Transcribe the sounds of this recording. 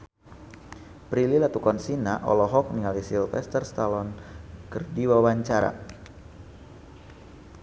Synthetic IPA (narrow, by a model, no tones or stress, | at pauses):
pɾililat̪ukɔnsinaʔɔ̰lɔɦɔk̚niŋalisilfɛ̰st̪ərst̪alɔnkɨrdiwawaɲt͡ʃaɾa̰